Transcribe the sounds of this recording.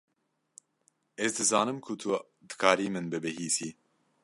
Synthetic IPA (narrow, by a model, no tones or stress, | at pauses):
ɛzd̪ɨzɑːnɨmkʰut̪ʰu | d̪ɨ̥kʰaːɾiːmɨnbɨbɨhiːsiː